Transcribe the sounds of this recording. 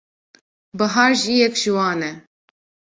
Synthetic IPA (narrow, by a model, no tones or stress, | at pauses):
bɨɦɑːɾʒijɛkʒ̥iwɑːnɛ